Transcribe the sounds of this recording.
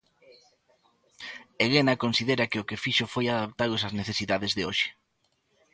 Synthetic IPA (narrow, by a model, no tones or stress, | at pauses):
eɣenakonsiðeɾɐkɪʊkɪfiʃofojaðap̚t̪alʊsazneθesiðaðezðeoʃɪ̥